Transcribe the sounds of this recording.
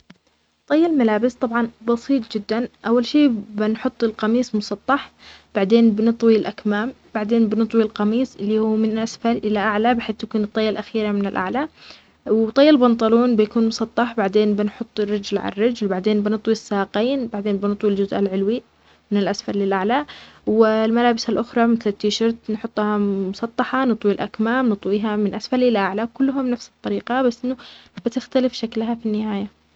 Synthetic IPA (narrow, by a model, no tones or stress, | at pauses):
t̪ˤɑjːɑlmalaːbɪst̪ˤɑbʕɑnbɑsˤiːt̪ˤd͡ʒɪd̪ːanʔawːalʃiːbɪnħʊt̪ˤːɪlqɑmiːsˤmʊsˤɑt̪ˤːɑħb̥aʕd̪eːnbɪnɨt̪ˤwilʔakmaːm | b̥aʕd̪eːnbɪnɨt̪ˤwilqɑmiːsˤʔɪlːihuːmɪnɪlʔasfɑɾˤʔɪlaʔaʕlabɪħeːθjakuːnɨt̪ˤːɑjːalʔaxiːɾamɪnɪlʔa̰ʕla | wt̪ˤɑjːɑlbɑnt̪ˤɑluːnbɪjakuːnmʊsˤɑt̪ˤːɑħbaʕd̪eːnbɪnħʊt̪ˤːɪrːɪd͡ʒlʕa̰rːɪd͡ʒlbaʕd̪eːnbɪnɨt̪ˤwisːɑːqiːnbaʕd̪eːnbɪnɨt̪ˤwild͡ʒʊzʔa̰lʕɪlwi | mɪnɪlʔasfaɾlɪlʔaʕlawɪlmalaːbɪsalʔʊxɾˤɑmɪθlɪt̪ːiʃɑɾt̪nħʊt̪ˤːhɑmʊsˤɑt̪ˤːɑħɑnɨt̪ˤwilʔakmaːmnɨt̪ˤwiːɦamɪnʔasfaɾlɪlʔaʕlawkʊlːʊɦamnafsɨ̥t̪ˤːɑɾiːqɑbasːʔɪnːʊb̥ɪt̪ɪxt̪alɪfʃaklɦafinːɪhaːja